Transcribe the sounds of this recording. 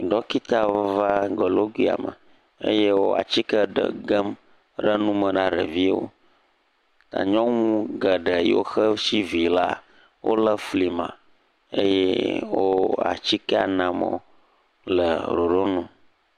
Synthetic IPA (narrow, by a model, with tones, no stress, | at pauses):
ɖɔ˦ki˦t̪a˨˦va˦ɡə˨lo˦ɡwi˦a̰˨mə̰˨ | ḛ˦je˦wo˦a̰˨t͡ɕi˦kə˦ɖə̰˦˨ɡə˦m | ɖə˦nũ˦mə̃˨nã˦ɖə̰˨vi˦wo̰˦ | t̪a̰˨ɲɔ̃˦ŋũ˦ɡə˨ɖə˨j̰wo˦xə˦si˦vi˨la˦ | wʔo˦lə˦fli˨mã̰˨ | ḛ˦jɛ̰˦wo˦a̰˨t͡ɕi˦kə˦a̰˨nã˨mɔ̰̃˦˨ | lə̰˨ɖo˨ɖo˦nɔ̃˨